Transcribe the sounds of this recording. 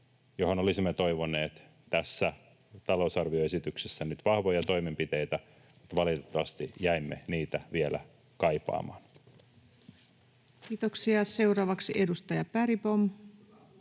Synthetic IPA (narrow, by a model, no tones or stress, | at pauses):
johonolisimːet̪oiʋoneːt̪ | t̪æsːæ | t̪ɑlousɑrʋioesit̪yksesːænyt̪ʋɑhʋojɑt̪o̞imempit̪ejt̪æ | mut̪ːʋɑlit̪et̪ːɑʋɑst̪ijæimːḛniːt̪æʋielæ̰ | kɑjpɑ̰ːmɑ̰ːn | kiːt̪oksiɑse̞uɾɑːʋɑksiʔedust̪ɑjɑpæɾipom